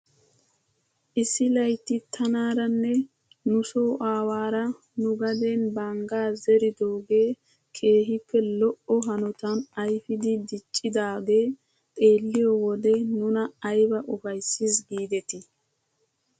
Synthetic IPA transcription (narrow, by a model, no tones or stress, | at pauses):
ʔɪsːɪlɐjt̪ːɪt̪ʰɐnaːɾɐnːɛ | nʊsoːʔaːwaːɾɐ | nʊɡɐd̪enbaŋɡaːzɛɾɪd̪oːɡe̞ː | kʰe̞ːɦɪpːɛlɔʔɔɦɐnɔt̪ɐnɐjfɪd̪ɪd̪ɪt͡ʃʼːɪd̪aːɡe̞ː | t̪ʼe̞ːlːɪjɔwɔd̪ɛnʊnɐːjbɐʔɔfɐjsːɪsɡiːd̪ɛt̪ɪ